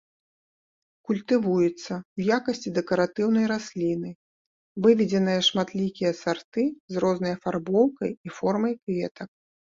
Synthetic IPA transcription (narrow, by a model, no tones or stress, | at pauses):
kulʲt̪ɨvujut̪sːɐwjakɐsʲt͡sʲid̪ɛkɐɾat̪ɨwn̪ɐjɾasʲlʲinɨ | vɨvʲɛd͡zʲɛnɨjɐʂmat̪lʲikʲijɐsart̪ɨzrɔznɐjɐfarbɔwkɐjifɔrmɐjkvʲɛt̪ɐk̚